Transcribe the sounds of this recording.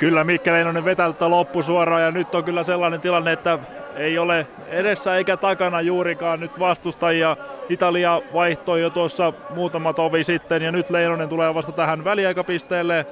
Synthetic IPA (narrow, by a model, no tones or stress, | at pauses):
kylːæmikːæleinoneʋʋet̪ælt̪ːælopːusuorɑːjɑnyt̪ːoŋkylːæselːɑːnent̪ilɑnːeet̪ːæeiole | edesːæeikæt̪ɑkɑnɑjuːɾikɑːnnyt̪ʋɑst̪ust̪ɑjijɑit̪ɑliɑʋɑiht̪oijjot̪uosːɑmuːt̪ɑmɑt̪oʋisit̪ːenjɑnyt̪leinonent̪uleːʋɑst̪ɑt̪æhænʋæliɑikɑpist̪eːlːe